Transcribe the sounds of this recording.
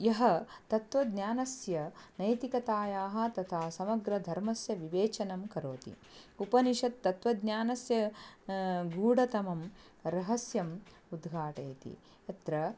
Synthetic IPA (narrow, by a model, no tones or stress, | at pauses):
jɐɦɐt̪ɐt̪ʋɐd̪ɲaːnɐsjɐnɐjt̪ikɐt̪aːjaːɦɐ̆t̪ɐt̪ʰaːsɐmɐɡɾɐd̪ʱɐɾmɐsjɐʋiʋeːt͡ʃɐnɐmkɐɾoːt̪ḭ | upɐniʃɐt̪ːɐt̪ʋɐd̪ɲaːnɐsjɐ | ɡuːɽɐt̪ɐmɐm | ɾɐɦɐsjɐm | ud̪ɡʱaːʈɐːt̪ḭ | ɐt̪ɾɐ